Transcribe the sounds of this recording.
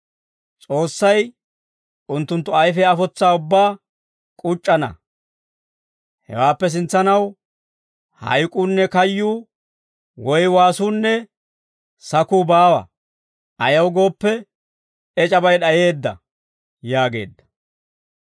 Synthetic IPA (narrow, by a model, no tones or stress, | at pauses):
t͡sʼo̞ːsːɐj | ʊnt̪ːʊnt̪ːʊɐjfɛɐfɔt͡sːaːʊbːaː | kʼʊt͡ʃʼːɐnɐ̰ | hɛ̰waːpːɛs̬ɪnt͡sːɐnɐw | hɐ̰jkʼuːnːɛkɐjːuː | wɔjwaːsuːnːɛ | sɐkuːbaːwɐ̰ | ʔɐjɐwɡo̞ːpːɛ | ɛt͡ʃʼɐbɐjɗɐje̞ːd̪ːɐ̰ | jaːɡe̞ːd̪ːɐ̥